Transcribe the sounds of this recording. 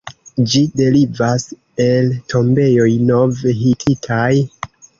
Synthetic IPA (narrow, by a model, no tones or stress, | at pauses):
d͡ʒide̞livas | e̞ltʰo̞mbe̞jo̞jno̞vɦitʰitʰaj